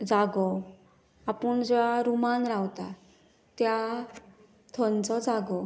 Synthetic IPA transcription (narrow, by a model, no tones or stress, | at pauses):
d͡zaɡɔ | apəɳd͡ʑɛaɾumanɾawt̪a | t̪ja | t̪ʰɔnt͡sɔd͡zaɡɔ